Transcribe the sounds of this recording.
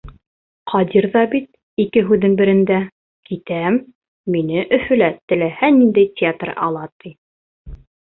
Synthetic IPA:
qʰɑd̪ʲiɾðɑbit̪̚ | ikɘɦʉðɘŋbɘ̆ɾɘ̆nd̪æ | kit̪æmː | inɘʔɵ̆fɵ̆læt̪ɘ̆læhænind̪æjtʲɪat̪rɑ̰lˠɑt̪i

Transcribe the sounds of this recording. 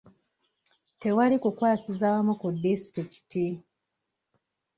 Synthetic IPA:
te̞walikukwaːsizawamukudːistiki̥ti

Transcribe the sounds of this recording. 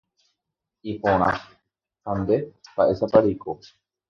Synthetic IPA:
ipõɾ̃ã̰ | hãnd̪ebaʔesapaɾikʰo

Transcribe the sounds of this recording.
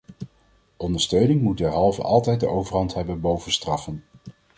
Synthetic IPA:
ʔɔndəɹstøɥnɪŋmutdɛɹɦɑlˠvə̰ʔɑlˠtɛjt̚dəʔowvəɹɦɑntɦɛbənbowvənstrɑfən

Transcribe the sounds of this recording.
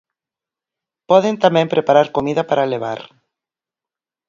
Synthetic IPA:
pɔðent̪amɛ̃mpɾepaɾaɾkomiðɐpaɾaleβ̞a̰ɾ

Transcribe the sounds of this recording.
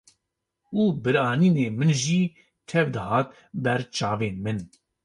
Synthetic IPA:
uːbɨɾɑːniːneːmɨnʒiː | t̪ʰɛvd̪ɨhɑːt̪̚ | bɛɾt͡ʃʰɑːveːnmɨn

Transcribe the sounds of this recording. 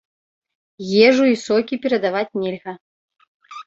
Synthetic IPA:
jɛʐuisɔkʲipʲɛɾɐd̪avat͡sʲnʲɛlʲɣɐ

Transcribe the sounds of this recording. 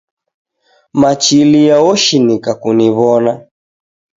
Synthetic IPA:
mat͡ʃilijaɔʃinikakuniβɔna

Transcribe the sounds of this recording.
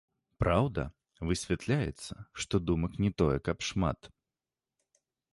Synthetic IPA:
pɾawd̪ɐ | vɨsʲvʲɛt̪lʲajɛt̪sːɐʂt̪ɔd̪umɐknʲɛt̪ɔjɛkɐpʂma̰t̪

